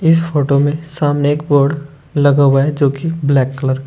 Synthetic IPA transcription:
ɪsfʰoːʈomẽsaːmneeːkboːɾɖ | lɐɡawaɛd͡ʒoːkiblɛːkːələɾ

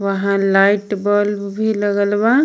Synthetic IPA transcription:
ʋəɦãlaːɪʈbɔl | bʱiləɡəlbã

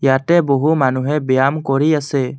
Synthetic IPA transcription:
jaʈɛbɔɦumanuɦɛ̃bɛjamkɔɾiasɛ

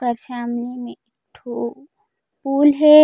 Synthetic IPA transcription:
kəɾʃaːmlimẽɪ | ʈʰːo | puːlɦe

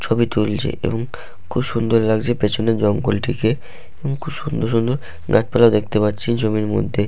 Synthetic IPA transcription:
t͡ɕʰobit̪ult͡ɕʰḛʔḛboŋ | kʰubʃund̪oɾlaɡd͡ʑepet͡ɕʰoned͡ʑɔŋɡolʈike | eboŋkʰubʃund̪oɾʃ̬und̪oɾ | ɡat͡ɕpalaod̪ek̚ʰt̪epat̪ːɕʰind͡ʑomiɾmo̰d̪ʱːe

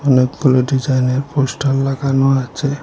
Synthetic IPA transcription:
ɔnekɡuloɖid͡ʒajneɾposʈalːaɡanoat͡ʃʰe

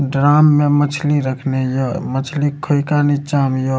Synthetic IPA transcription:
ɖɾamːemət͡ʃʰliɾəkʰnejomət͡ʃʰlikʰoikanit͡ʃamjo

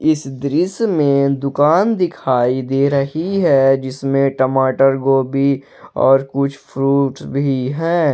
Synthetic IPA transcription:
ɪsd̪ɾɪsmẽd̪ʊkaːnd̪ɪkʰaːid̪eːɾɐɦiɦɛd͡ʒɪsmẽʈəmaːʈəɾɡoːbʱi | ɔ̰ːɾkʊt͡ʃʰpʰɾuːʈsbʱiɦɛ̃ː

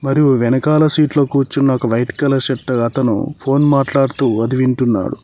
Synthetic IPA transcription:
mɐɾijuʋɛnɐkaːlɐsiːʈloːkuːt͡ʃunːaːkuʋɐjʈkɐlɐʃɐʈːɐɐt̪ɐnṵpʰo̞ːnmaːʈlaːɽut̪uːɐd̪iʋiɳʈunːa̰ːɽṵ

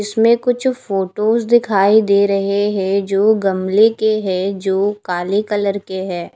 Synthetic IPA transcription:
ɪsmẽkʊt͡ʃʰfoːʈoːsd̪ɪkʰaːid̪eːɾɐɦeɦɛ̃d͡ʒoːɡɐmlekeɦɛ̃d͡ʒoːkaːlikɐləɾkeɦɛ̃ː

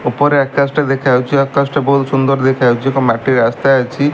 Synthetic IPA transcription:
opɔɾeɛkːasʈed̪ekʰajwt͡ʃʰiɛkːasʈebɔɦulsund̪ɔɾd̪ekʰajwt͡ʃʰikɔmaʈiɾast̪ajat͡ʃʰi

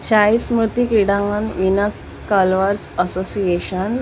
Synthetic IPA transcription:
ɕaismɾut̪ikɾiɽãŋɡanʋinas | kalʋəɾsəsosieɕən

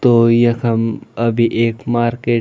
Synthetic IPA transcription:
t̪ojɐ̃kʰɐməbʱiʔeːkmaːɾkeː

